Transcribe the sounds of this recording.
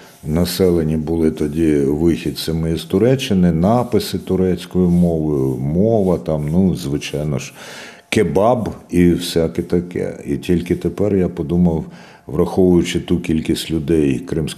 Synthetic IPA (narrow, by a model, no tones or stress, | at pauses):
nɐsɛlˠenʲibʊlˠɪt̪ɔdʲiʋɪxʲid̪ʲsʲɐmɪizt̪ʊɾɛt͡ʃːɪnɪnɑpɪsɪt̪ʊɾɛt͡sʲkɔjʊmɔʋɪjmɔʋɐt̪ɑmnuzʋɪt͡ʃɑjnɔʃ | kebɑbiwsʲakɛt̪ɐkɛ̰ḭtʲilʲkɪt̪epɛrjapɔd̪umɐw | ʋɾɐxɔʋʊjʊt͡ʃɪt̪ukʲilʲkʲisʲtʲlʲʊd̪ɛjkɾɪmsʲ